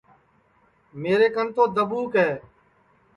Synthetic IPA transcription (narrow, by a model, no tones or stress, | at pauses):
meːɾeːkənt̪oːd̪əbuːkɦɛː